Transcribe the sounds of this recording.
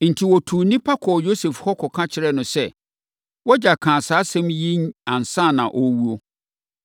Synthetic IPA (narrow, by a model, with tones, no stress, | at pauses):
n̩˨tʰi˨wɔ˨tʰuː˨nĩ˦pʰa˦kʰɔ˨jo˦sɛ˨fhɔ˦kʰɔ˨kʰã˦t͡ɕʰɪ˦ɾɛ˦˨nʊ̃˨sɛ˦˨ | wɔ˦d͡ʑa˨kʰã˨saː˨˦sɛ̃˦mjĩ˦nã˨n˨sã˦˨nã˨ʔɔ˦wu˦o˦